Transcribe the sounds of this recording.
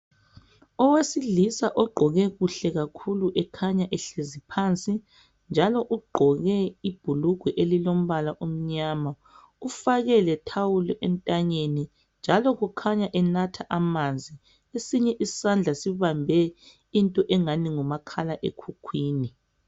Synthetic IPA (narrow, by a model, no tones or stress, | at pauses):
ɔwesilisaʔɔɡ͡ǃʱɔɣɛɣuɬɛɣakʰuluʔɛkʰaɲaʔɛɬezipʰant͡sʼi | nd͡ʒʱalɔʔuɡ͡ǃʱɔɣɛib̥ʱuluɡ̥ʱwɛʔelilom̩βalaʔom̩ɲaːma | ufaɣɛlɛtʰawulɛʔɛntʼaɲeni | nd͡ʒʱalɔɣukʰaɲaʔɛnatʰaʔamand͡zʱi | esiɲɛʔisand͡ɮʱasiβambʱɛ | intʼɔʔɛŋaniŋumakʰalaʔḛkʰukʰwiːni